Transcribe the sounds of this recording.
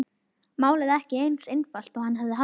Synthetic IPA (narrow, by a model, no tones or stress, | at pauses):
maːwlɪðɛhcɪejnsejnfal̥t̪ɔɣhanɦavðɪɦa